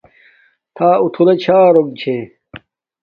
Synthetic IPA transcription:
t̪ʰaːut̪ʰulɐt͡ɕʰaːɾoɡ̚t͡ɕʰe

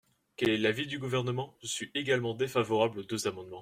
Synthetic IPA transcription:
kɛlɛlavid̪yɡuvɛʁnəmɑ̃ʒ̥əsɥiʔeɡalmɑ̃d̪efavɔʁablod̪øzamɑ̃d̪mɑ̃

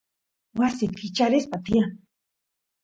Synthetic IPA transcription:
wasit̪kit͡ʃaɾɪspat̪ia

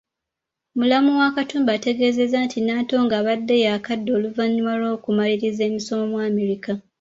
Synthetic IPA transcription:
mulamuwakatuːmbaːte̞ɡe̞ːze̞zantʰinaːto̞ːŋɡaːβadːe̞jaːkadːo̞ːluvaɲːuwalo̞ːkumaliɾize̞ːmiso̞momwaːme̞ɾika

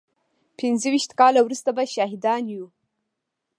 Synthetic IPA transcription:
pɪnzəwiʃt̪kɑlawɾust̪abaʃɑɦɪd̪ɑnju

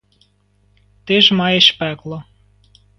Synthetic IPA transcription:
t̪eʒmɑjeʃpæklo

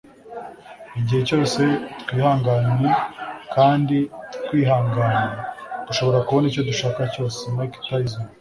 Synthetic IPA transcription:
iɟihe̞co̞ːse̞t̪kwiːhaːŋɡanekaːnditwiːɦaːŋɡaːned̥uʃo̞βo̞ɾakuβo̞nico̞duʃaːkaco̞ːsemaiki̥taizoa

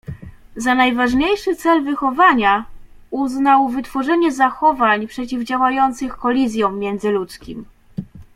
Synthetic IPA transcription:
zanajvaʐɲejʂɘt̪sɛlvɘxɔvaɲa | uznawvɘt̪fɔʐɛɲɛzaxɔvaɲpʂɛt͡ɕivd͡ʑawajɔnt̪sɘxkɔlʲizʲjɔ̃w̃ʲjɛnd̪zɘlut̪skʲim

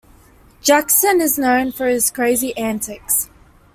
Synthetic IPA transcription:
d̥d͡ʒ̥aksə̃nɪznə̃ʊ̃nfə˞ɪz̥kʰɹ̥eɪziʔæ̃ntʰɪks

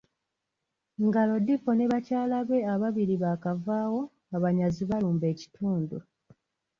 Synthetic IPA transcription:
ŋɡalo̞difone̞βacaːlaβwe̞aβaβiɾiβakavaːwo̞ | aβaɲaziβaluːmbe̞ːci̥tʰuːndu

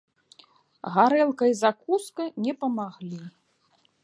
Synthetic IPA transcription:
ɣaɾɛlˠkɐizakuskɐnʲɛpɐmaɣlʲi

